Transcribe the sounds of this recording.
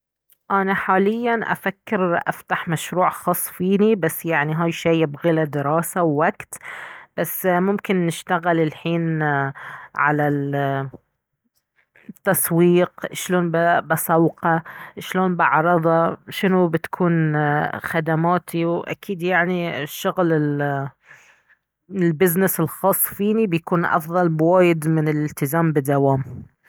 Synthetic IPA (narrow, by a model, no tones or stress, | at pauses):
ʔanaħaːlɪjːanʔa̰fakːɪɾʔa̰ft̪aħmaʃɾuːʕxɑsˤːfiːnibasːjaʕniɦaːjʃiːjɪbɣilad̪ɪɾɑːsawːakt̪b̥asːmʊmkɪnːɪʃt̪aɣɪlɪlħiːn | ʕa̰la | t̪ːasˤwiːqʃloːnbbɪsˤɑwqɑʃloːnbɪʕɾˤɑðˤɑʃɪnubɪt̪kʰuːnxad̪amaːt̪ʰiwʔa̰kiːd̪jaʕniʃːʊɣlɪl | lbɪznɪsɪlxɑːsˤːfiːnibjakuːnʔɑ̰fðˤɑlbwaːjɪd̪mɪnɪlɪlt̪ɪzaːmbɪd̪ːawaːm